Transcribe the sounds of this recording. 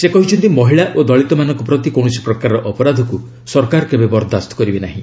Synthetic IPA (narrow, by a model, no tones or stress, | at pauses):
sekɔɦit͡ʃʰɔnt̪imɔɦiɭaʔod̪ɔɭit̪ɔmanɔŋkupɾɔt̪ikow̃ɔsi̥pɾɔkaɾɔɾɔʔɔpɔɾad̪ʱɔku | sɔɾkaɾɔkebebɔɾd̪ʱast̪ɔ̥kɔɾibenaɦḭ̃